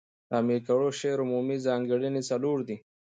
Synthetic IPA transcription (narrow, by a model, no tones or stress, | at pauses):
amiɾkaɽoʃeɾʊmuːmizɑːŋɡəɽinit͡sɐluːɾd̪i